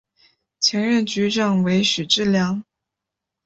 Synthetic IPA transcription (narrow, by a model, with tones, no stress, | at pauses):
t͡ɕʰjɛ˧˥ŋɻə˥˩nt͡ɕy˧˥ʈ͡ʂɑ˥˩ŋwe˧˥ɪɕy˨˩ʈ͡ʂɻ̩˥˩ljɑ˧˥ŋ